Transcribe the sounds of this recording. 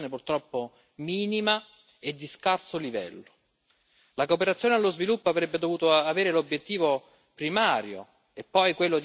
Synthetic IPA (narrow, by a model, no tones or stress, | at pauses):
nepurt̪ɾɔpːo | miːnima | ed̪ːiskarsolivɛ̰lːo | lakoːpeɾat̪sːjoːnealːozvilupːoavɾɛbːed̪ovuːt̪oaveːɾelobjet̪ːiːvo | pɾimaːɾjo̰ | epːɔjkwelːod̪